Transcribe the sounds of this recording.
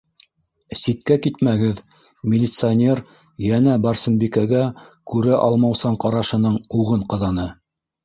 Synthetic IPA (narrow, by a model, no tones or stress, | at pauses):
sit̪̚kækit̪mæɡɘð | mʲɪlʲɪt̪sɨanʲer | jænæbɑɾsɤ̆nbikæɡækʉɾæʔɑlˠmɑwsɑɴqɑɾɑʃɤ̆nɤɴuʁɤɴqɤ̆ðɑnɤ